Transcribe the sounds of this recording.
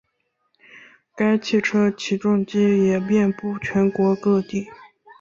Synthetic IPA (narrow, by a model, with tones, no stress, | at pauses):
ka˥ɪt͡ɕʰi˥˩ʈ͡ʂʰɤ˥t͡ɕʰi˧˥ʈ͡ʂʊ˥˩ŋt͡ɕi˥jɛ˨˩pjɛ˥˧npu˥˩t͡ɕʰɥɛ˧˥nkwɔ˧˥kɤ˥˧t̪i˥˩